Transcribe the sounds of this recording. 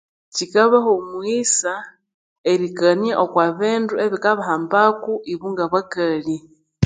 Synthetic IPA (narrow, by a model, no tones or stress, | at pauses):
cikaβahomwisa | eɾikanjaʔokwaβeːndueβikaβahambakuʔiβuŋɡaβakali